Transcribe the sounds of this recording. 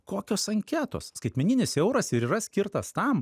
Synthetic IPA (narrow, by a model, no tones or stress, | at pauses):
koːkʲoːsɐŋʲkʲæːt̪o̰ːsskɐɪt̪ʲmʲɛnʲɪnʲɪsjɛʊɾɐsɪɾiːɾɐsʲkʲɪɾt̪ɐst̪ɐm